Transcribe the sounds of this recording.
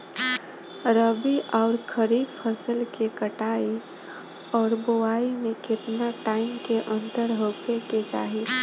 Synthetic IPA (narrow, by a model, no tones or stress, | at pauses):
ɾəbiʔaʊɾkʰəɾibpʰəsəlkekəʈai | ɔːɾbowaimẽkɪt̪naʈaɪmkeʔə̃nt̪əɾɦokeket͡ʃa̰ːɦi